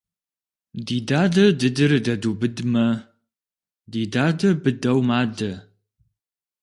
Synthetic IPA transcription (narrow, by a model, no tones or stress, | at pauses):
diːdaːdɐdɨdɨrdɐduːbɨdmɐ | diːdaːdɐbɨdɐwmaːdɐ